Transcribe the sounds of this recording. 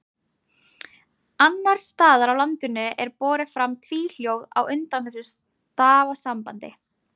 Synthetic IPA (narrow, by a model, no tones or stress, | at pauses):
anːaɾ̥st̪aːðaɾawlant̪ʏnʏʔɛɾpɔːɾɪ̥fɾamt̪ʰviːl̥jowða̰wʏnt̪anθɛsːʏs | t̪aːvasampant̪ɪ